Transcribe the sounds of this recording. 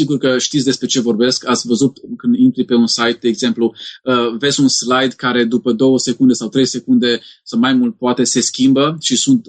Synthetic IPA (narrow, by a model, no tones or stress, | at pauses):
siɡurkəʃt̪it̪sʲd̪e̞spɾe̞t͡ʃe̞vo̞rbe̞skat̪sʲvəzut̪kɨnd̪int̪ɾipe̞unsajt̪̚d̪eːɡze̞mpluəve̞zʲunslajd̪kaɾe̞d̪upəd̪o̞wəse̞kund̪e̞sawt̪ɾe̞jse̞kund̪e̞sawmajmult̪̚poat̪e̞se̞skʲimbəʃisunt̪